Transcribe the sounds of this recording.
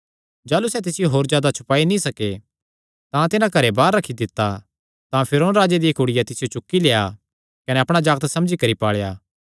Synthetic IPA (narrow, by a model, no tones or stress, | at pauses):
d͡ʒaːlusɛt̪ɪsɪjoɦoːɾzjaːd̪at͡ʃʰʊ̥paːinĩsɐke | t̪ãt̪ɪnãkɐɾebaːɾːɐkʰid̪ɪt̪ːa | t̪ãpʰɪɾoːnɾaːd͡ʒed̪ijɐkʊɽɪjat̪ɪsɪjot͡ʃʊkːileːa | kɐnɛɐpɽ̃ad͡ʒaːɡət̪sɐ̃md͡ʒikɐɾipaːɭejaː